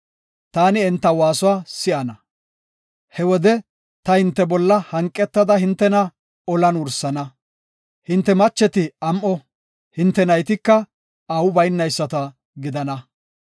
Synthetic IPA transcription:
t̪aːnɪɛnt̪ːɐwaːsʊwaːsɪʔɐnɐ | hɛwɔd̪ɛ | t̪ɐhɪnt̪ːɛbɔlːɐhɐŋkʼːɛt̪ːɐd̪ɐhɪnt̪ːɛnɐ | ɔlɐnʊɾsɐnɐ | hɪnt̪ːɛmɐt͡ʃːɛt̪ɪɐmʔɔ | hɪnt̪ːɛnɐjt̪ɪkːɐ | ɐwʊbɐjnːɐjsːɐt̪ɐ | ɡɪd̪ɐnɐ

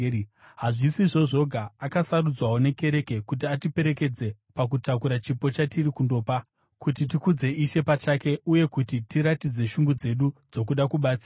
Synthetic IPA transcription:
ɦaʐisiʐo̞ʐo̞ɡʱaːkasarud͡zwawo̞ne̞ke̞ɾe̞ke̞kut̬iatipe̞ɾe̞ke̞d͡ze̞pak̬utakuɾat͡ʃipo̞t͡ʃatirikundo̞ːpa | kut̬itikud͡ze̞ʔiʃe̞pat͡ʃake̞uje̞kutitiɾatid͡ze̞ʃuŋɡud͡ze̞ɗud͡zo̞kuɗakuɓaːt͡s

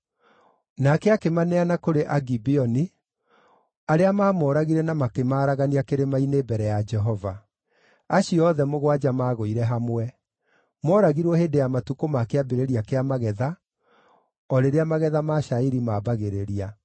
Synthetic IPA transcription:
nakɛakemanɛanakoɾeʔaɡibiɔni | aɾeamaːmɔːɾaɣiɾɛnamakemaːɾaɣaniakeɾemainebɛɾɛjad͡ʒɛɦɔva | aɕiɔðɛmoɣwad͡ʒamaːɣoiɾɛɦamwɛ | mɔɾaɣiɾwɔheːdejamatukomakeabeɾeɾiakeamaɣɛða | ɔɾeɾeamaɣɛðamaʃaiɾimabaɣeɾeɾia

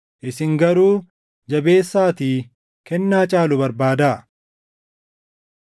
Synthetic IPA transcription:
ʔɪsɪŋɡɐɾuː | d͡ʒɐbe̞ːsːaːt̪iː | kɛnːaːt͡ʃʼaːlʊbɐɾbaːd̪aː

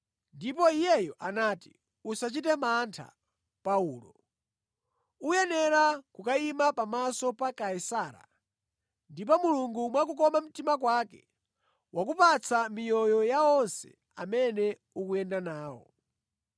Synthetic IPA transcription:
ndip̬ɔijɛjɔʔanaːti | usat͡ʃit̬ɛmantʰa̰ | pauːlɔ̰ | ujɛnɛɾakukaimapamasɔpakaisaːɾa̰ | ndip̬ɔmuluŋɡumwakukɔmam̩timak̬wakɛ | wak̬upat͡sʰamijɔjɔjaɔnsɛ̰ | a̰mɛnɛ | ukuɛndanaːwɔ̰

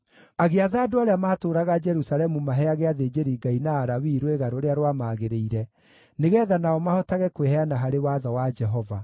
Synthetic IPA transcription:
aɣeaðaːdoaɾeamaːtoːɾaɣad͡ʒɛɾusalɛmumaɦɛaɣeaðeːd͡ʒeɾiɡainaːɾawiːɾweɣaɾoɾeaɾwamaːɣeɾeiɾɛ | neɣɛːðanaɔmahɔtaɣɛkwehɛanaɦaɾewaðɔwad͡ʒɛɦɔva

